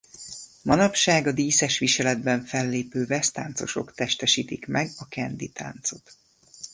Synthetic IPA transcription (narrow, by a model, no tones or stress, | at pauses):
mɒnɒpʃaːɡɒd̪iːsɛʃʋiʃɛlɛd̪bɛɱfɛlːeːpøːvɛst̪a̰ːnt̪so̞̰ʃo̞̰kt̪ɛʃt̪ɛʃiːt̪ikmɛɡɒkɛnd̪it̪a̰ːnt̪so̞t̪